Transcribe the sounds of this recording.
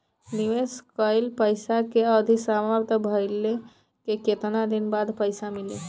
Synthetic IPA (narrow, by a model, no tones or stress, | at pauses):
niʋeskəɪlpəjsakeəd̪ʱisaməɾt̪ʰəbʱəɪlːe | keket̪nad̪inbad̪pəjsamili